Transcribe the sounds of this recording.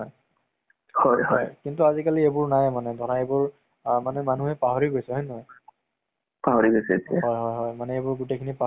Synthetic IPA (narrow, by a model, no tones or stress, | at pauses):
ɦɔj | hɔjhɔjkintuazikaliebʊɹnajmanɛdʱɔɹaebʊɹ | manɛmanuɦɛpaɦoɹiɡojsɛɦɔjnɔɦɔj | paɦoɹiɡojsɛḛtiaɦɔjɦɔjɦɔjmanɛebʊɹɡutejkʰinipa